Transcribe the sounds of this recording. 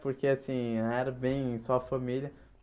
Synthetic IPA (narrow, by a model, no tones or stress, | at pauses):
poɾkeasĩɛɾɐbẽj̃sɔfɐmiljɐ